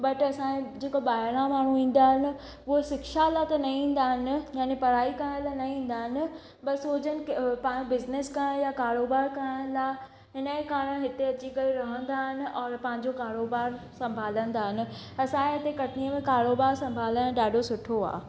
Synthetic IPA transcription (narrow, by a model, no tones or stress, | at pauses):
bɐʈɐsãed͡ʑeːkoɓaːɽ̃ãmaːɽ̤̃uĩːn̆d̪aːɦɪnɪ̆ | ʊɦosɪkʃalat̪ɐnɐĩːn̆d̪aːɦɪnɪ̆jaːnepɐɾaːikɐɾ̃lanɐĩːn̆d̪aːɦɪnɪ̆ | bɐɾsoːd͡ʑənɪ̆kpãːjõbɪzneskɐɽ̃jakaːɾoːbaːɾkɐɾə̃d̪a | ɦɪnəekaːɽə̃ɦɪt̪eɐt͡ɕikɐɾiɾɐɦə̃nd̪aːɦɪnɪ̆ʔɔːɾpɐ̃ɦɪ̃ɲd͡ʑokaːɾoːbaːɾsɐ̃mbʱaːlə̃nd̪aːɦɪnɪ̆ | ɐsãkeɪt̪ekɐʈniəmẽkaːɾoːbaːɾsɐ̃mbʱaːlə̃ɗaːɖʱosʊʈʰoa̰ː